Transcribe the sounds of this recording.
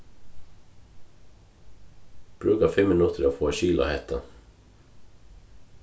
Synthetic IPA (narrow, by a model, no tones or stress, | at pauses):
b̥ɾʉːkafɪmːɪnʊt̪ʰəɾoːfoːʃiːla̰hɛt̪ʰa̰